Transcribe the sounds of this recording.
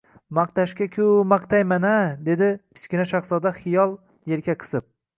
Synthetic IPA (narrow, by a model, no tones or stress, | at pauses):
mɑq̚t̪aʃkʲakʲʰʊmaqt̪ʰajmanad̪e̞d̪ɪkʲʰɪ̥t͡ʃkʲɪnaʃaχsɒd̪aχɪjɒlˠ | je̞lkʲaqʰɨ̥sɨp̚